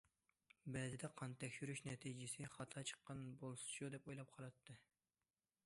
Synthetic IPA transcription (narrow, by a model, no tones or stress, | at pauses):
bɛzɪd̪ɛqʰɑnt̪ʰɛkʲʃyɾyʃnɛt̪ʰid͡ʒɪsɪχɑt̪ʰɑt͡ʃʰə̥qːɑnbolˠsu̥ʃud̪ɛpojlˠɑp̚qʰɑlˠɑt̪ʰːɨ